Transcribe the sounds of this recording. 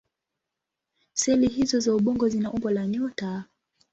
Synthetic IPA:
sɛliɦizɔzauɓɔŋɡɔzinaʔumbalaɲɔta

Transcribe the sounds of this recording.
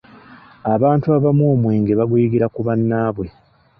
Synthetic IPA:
aβaːntuaβamwoːmweːŋɡeβaɡujiɡiɾakuβanːaːβwe̞

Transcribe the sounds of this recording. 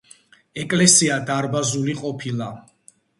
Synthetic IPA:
ɛkʼlɛsiad̪aɾbazuliqʼɔpʰilˠa

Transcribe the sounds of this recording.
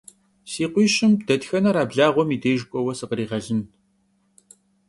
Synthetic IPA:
siːqʷiːʃɪmdɐtxɐnɐɾaːbɮaːʁʷɔmiːdeːjʒkʷʼɔwɐsɨqəɾiːʁɐɮɪn

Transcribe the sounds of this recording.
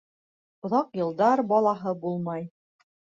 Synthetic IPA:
ŏðɑqjɤ̆lˠd̪ɑɾbɑlˠɑɦɤbulˠmɑj

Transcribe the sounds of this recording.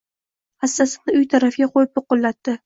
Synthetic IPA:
hasːasɪnɪʊjt̪ʰaɾafjʲaqʰojɪp̚jʊqːʊlˠːat̪ːɪ

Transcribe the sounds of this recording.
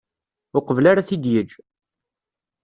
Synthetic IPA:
ʊqəvlaɾaθid̪jəd͡ʒ

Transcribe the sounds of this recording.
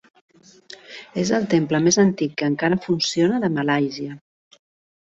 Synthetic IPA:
ezəlˠt̪empləmezənt̪ikːəːŋkaɾəfunsionəðəmalajziə

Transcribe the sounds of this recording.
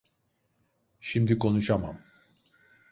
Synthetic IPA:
ʃimd̪iko̞nuʃama̰m

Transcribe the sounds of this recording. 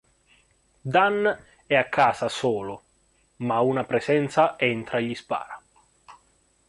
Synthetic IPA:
d̪an | ɛakʰːaːsasoːlʊ | maunapɾesɛnt̪saɛnt̪ɾaeʎːispa̰ːɾa

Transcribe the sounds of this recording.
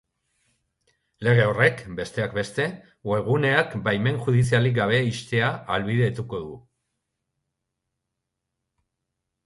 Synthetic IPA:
le̞ɣ̞e̞ore̞kbe̞st̪e̞akbe̞st̪e̞ | we̞ɣ̞une̞akbajme̞ŋxuð̞isialiɡaβ̞e̞ist̪e̞aalβiðe̞t̪uko̞ðu

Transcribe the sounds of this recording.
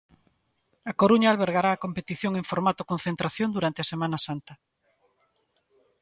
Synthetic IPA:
akoɾuɲaːlβeɾɣaɾaːkompet̪iθjoŋeŋfoɾmat̪okõnθent̪ɾaθjõnd̪uɾant̪easemãnɐsant̪ɐ

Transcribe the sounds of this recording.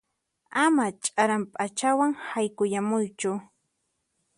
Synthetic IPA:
amat͡ʃʼaɾampʼat͡ʃawaŋhajkʊjamʊjt͡ʃʊ

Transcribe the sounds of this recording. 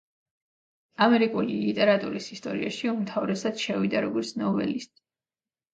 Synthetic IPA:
amɛɾikʼulilit̪ʼɛɾat̪ʼuɾisist̪ʼɔɾiaʃiumt̪ʰavɾɛsad̪ʃɛvid̪aɾɔɡɔɾt̪sʰnɔvɛ̰list̪ʼ

